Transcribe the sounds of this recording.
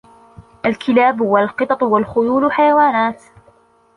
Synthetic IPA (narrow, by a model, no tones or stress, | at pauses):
ʔalkɪlaːbwalqɨt̪ˤɑt̪ˤwalxʊjuːlʊħajawaːnaːt̪